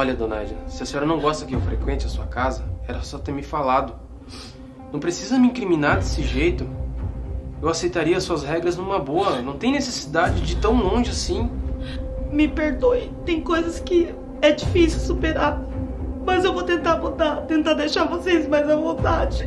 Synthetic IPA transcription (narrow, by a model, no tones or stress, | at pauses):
ɔʎɐd̪õna̰jd͡ʒisɪɐsĩɔɾɐnɐ̃w̃ɡɔst̪ɐkɪewfɾekwẽnt͡ʃɪɐsuɐkazɐɛɾɐsɔt̪eɾmɪfalad̪ʊ | nɐ̃w̃pɾesizɐmɪĩkɾimĩnaɾd̪esɪʒejt̪ʊ | ewasejt̪aɾiɐɐsuɐsɦɛɡɾɐznũmɐboɐnɐ̃w̃t̪ẽj̃nesesid̪ad͡ʒɪd͡ʒɪt̪ɐ̃w̃lõʒɪasĩ | mɪpeɾd̪ojt̪ẽj̃kojzɐskɪ | ɛd͡ʒifisuwsupeɾa | mɐzewvot̪ẽnt̪amud̪at̪ẽnt̪ad̪ejʃavosesmɐzɛvõt̪ad͡ʒɪ